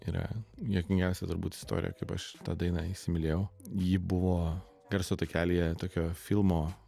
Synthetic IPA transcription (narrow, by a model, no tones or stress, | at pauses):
iɾɐ̰jʲiɛkʲmʲɪŋʲɡʲɛʊsʲɛt̪ʊɾbṵːt̪ɪ̥st̪o̰ːɾʲɪ̰jɛ̰kɐɪpɐ̰ʃt̪ɑːd̪ɐɪnɐɪʃsʲɪmʲɪlʲeːjɛʊjibʊʋoː | ɡ̥ɐɾʲsot̪oːkʲæːlʲijɛt̪oːkʲoːfʲɪlˠmoː